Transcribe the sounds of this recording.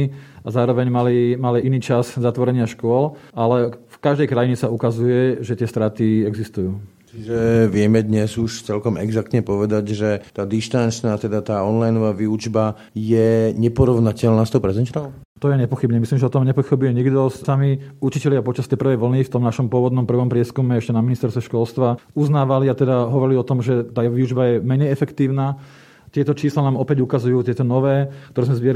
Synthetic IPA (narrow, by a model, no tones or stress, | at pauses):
iazaːɾɔʋɛɲmalimaliʔiniːt͡ʃazzat̪ʋɔɾɛɲɪaʃkʊɔlalɛfkaʒd̪ɛjkɾajiɲɛsaukazujɛʒɛt̪ɪɛst̪ɾaːt̪iɛɡzist̪ujuː | t͡ʃiʒɛʋɪɛmɛd̪ɲɛzuʃt͡sɛlkɔmɛɡzak̚t̪ɲɛpɔʋɛd̪aɟʒɛt̪aːd̪iʃt̪ant͡ʃnaːt̪ɛd̪at̪aːɔnlajnɔʋaːʋiud͡ʒba | jɛɲɛpɔɾɔʊnacɛlnaːst̪ɔʊpɾɛzɛnt͡ʃt̪ɔ | t̪ɔjɛɲɛpɔxibɲɛmisliːmʒɛɔt̪ɔmɲɛpɔxibujɛɲiɡd̪ɔssamiut͡ʃicɛlɪapɔt͡ʃast̪ɛjpr̩ʋɛjʋl̩nift̪ɔmnaʃɔmpʊɔʋɔd̪nɔmpr̩ʋɔmpɾɪɛskumɛɛʃcɛnaminist̪ɛɾst̪ʋɛʃkɔlst̪ʋauznaːʋaliat̪ɛd̪aɦɔʋɔɾiliɔt̪ɔmʒɛt̪aːʋiud͡ʒbajɛmɛɲɛjɛfɛkt̪iːʊnaː | t̪ɪɛt̪ɔt͡ʃiːslanaːmɔpɛɟukazujuːt̪ɛt̪ɔnɔʋɛːkt̪ɔɾɛːzmɛzʋɪɛɾ